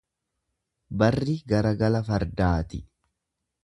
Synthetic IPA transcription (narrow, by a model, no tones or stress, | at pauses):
bɐrːɪɡɐɾɐɡɐlɐfɐɾd̪aːt̪ɪ